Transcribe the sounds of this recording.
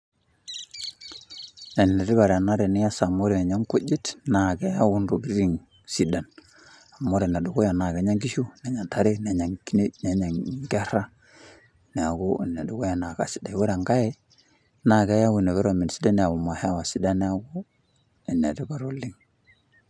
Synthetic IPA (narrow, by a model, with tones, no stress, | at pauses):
ne˨n˨e˨ɾi˦ba˨ɾa˨na˦ɾe˨ni˦ja˦sa˨mo˦ɾe˨ne˨ɲa˦ŋko˦d͡ʒi˦tna˨ɡe˦ja˦wu˦nɾo˨ɡi˦ɾɾi˦ŋ | si˦da˨n | a˨mo˦ɾe˨na˨du˨ɡo˦ja˨na˨ɡe˨˦ɲa˦ŋɡi˦ʃu˦ne˨ɲa˨nta˦ɾe˦ne˨˦ɲa˨ŋki˦ne˦ne˨˦ɲa˨ŋɡe˦ɾa˦ | ne˨a˨ɡo˦˨na˨du˦ɡo˦ja˨na˨ɡa̰˨si̥˨da˨we˦ɾa˨ŋɡa˦je˦ | na˨ɡe˦ja˦wu˨ne˨βe˦ɾo˨mi˨nsi˦da˦ne˨a˨wu˨ma˨hwa˨si˦da˦ne˦a˦ɡo˦ | e˨na˨ti˦ba˨ɾo˦lːi˦ŋ